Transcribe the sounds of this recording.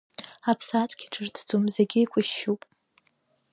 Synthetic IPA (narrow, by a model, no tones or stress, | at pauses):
apʰsatʷʰʼɡʲiʈ͡ʂʰʼɨrtʰd͡zumzeɡʲɪjkʷʼʊʃːupʼ